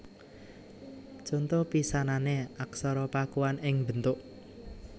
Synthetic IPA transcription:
d͡ʒ̥ɔnt̪ɔpisananeaksɔɾɔpakuwanɪŋbənt̪ʊʔ

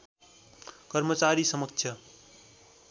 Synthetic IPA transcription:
kʌɾmʌt͡ʃaɾisʌmʌkt͡ʃʰjʌ

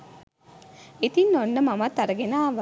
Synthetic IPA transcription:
it̪inːonːəmɐmɐt̪ːɐɾɐɡenaːʋ

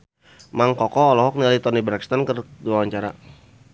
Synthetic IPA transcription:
maŋkɔkɔːlɔɦɔk̚nialait̪ɔnibɾakst̪ankərduawaɲt͡ʃaɾa

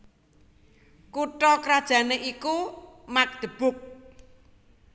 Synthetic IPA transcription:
kuʈɔkɾad̥ʒ̥a̤neʔikumak̚d̪̥ə̤b̥ʊ̤k̚

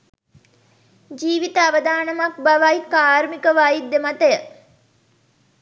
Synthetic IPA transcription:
d͡ʒiːʋit̪əaʋəd̪aːnɐmak̚baʋajkaːɾmikəʋajid̪emat̪əjə

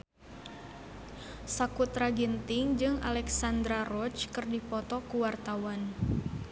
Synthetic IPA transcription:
sakut̪ɾaɡint̪ɪŋd͡ʒɨŋa̰lɛksand̪ɾarɔt͡ʃkɨrdipɔt̪ɔkuwart̪awan

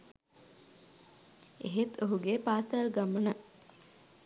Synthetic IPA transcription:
ḛɦet̪ʰoɦuɡepaːsalɡamənə

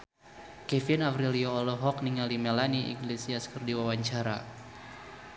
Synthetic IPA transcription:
kɛfinavɾiliɔːlɔɦɔk̚niŋalimɛlaniʔḭŋɡlesiaskərdiwawaɲt͡ʃaɾa̰

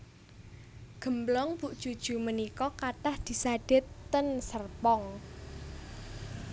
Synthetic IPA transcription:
ɡ̥ə̤mblɔŋb̥uʔd̥ʒ̥ud̥ʒ̥ṳmənikɔkaʈahd̪̥i̤saɖ̥ɪ̤t̪ːənsərpɔŋ

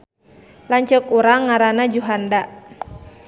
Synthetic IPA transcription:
laɲt͡ʃəkuɾaŋːaɾanad͡ʒuɦandaʔ

